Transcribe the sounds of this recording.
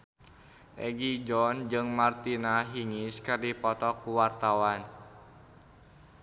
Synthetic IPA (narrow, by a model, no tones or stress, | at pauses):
ʔɛɡid͡ʒɔnd͡ʒɨŋmart̪inaɦiŋiskɨrdipɔt̪ɔkuwart̪awan